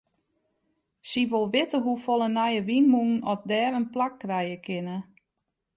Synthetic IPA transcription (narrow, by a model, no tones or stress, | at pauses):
siʋolˠʋɪtəɦufolˠənajəʋinmun̩ɔp̚dɛːrənplakːrɛjəkʰɪnə